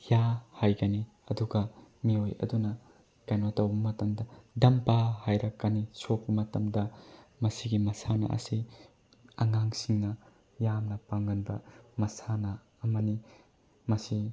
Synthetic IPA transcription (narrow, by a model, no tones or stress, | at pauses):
jahajɡɐni | ɐduɡɐmiojɐ̰dunɐ | kajnotɐwbɐmɐtɐmdɐdɐmpahajɾɐkːɐnisop̚ːɐmɐtɐmdɐmɐsiɡimɐsanɐ̰ʔɐ̰si | ɐ̰ŋaŋsiŋnɐ | jamnɐpaŋɡɐnbɐmɐsanɐː | mɐni | mɐsi